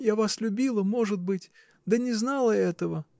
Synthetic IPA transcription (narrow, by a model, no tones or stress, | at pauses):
javaslʲʊbʲilˠəmo̞ʐɨd̪̚bɨtʲ | d̪ənʲɪznalˠəɛt̪əvə